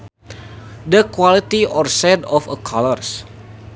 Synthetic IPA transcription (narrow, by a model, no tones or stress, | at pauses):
dəkwalit̪iɔrsɛdɔfəkʰalɔrs